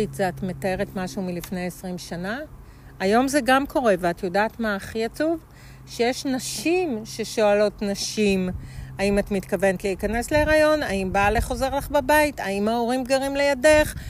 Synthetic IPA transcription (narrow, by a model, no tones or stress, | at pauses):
it͡saatme̞tae̞ʁe̞tmaʃumilifne̞jesʁimʃanaː | jo̞mze̞ɡamkʰo̞ʁe̞veat̪jodaːtmaːχiat͡suv | ʃejeʃnaʃimʃe̞ʃoalo̞tnaʃimaimatmitkave̞netleikane̞sleːʁajo̞naimbaleχo̞ze̞ʁlaχbabaitaimaoʁimɡaʁimlejade̞χ